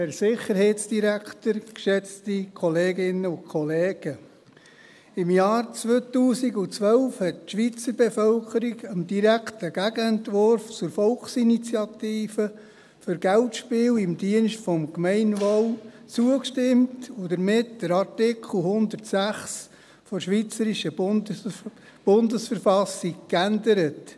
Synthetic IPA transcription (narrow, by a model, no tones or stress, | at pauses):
hæɾsɪχəɾhɛɪtsd̥iɾæktəɾkʃɛt͡stikʰɔleːɡɪnəʊkʰɔleːɡ̥ə | ɪmjɑːɾt͡sʋøːt̪uːsiɡʊt͡sʋœlfhɛtʃʋit͡səɾbefœlkəɾiɡəmd̥iɾæktəɡ̥æɡəɛntʋʊɾft͡sʊɾfɔlχsinit͡sjɑt̪iːfə | fʏɾɡæltʃpɪːlɪmdiənʃtfɔmkmɛɪnʋɔl | t͡suəkʃtɪmtʊdəɾmɪtdəɾɑɾtɪkʰl̩ˠhʊnd̪ətsæχs | fɔɾʃʋit͡səɾiʃə | b̥ʊndəsfəɾfɑsikkænd̪əɾət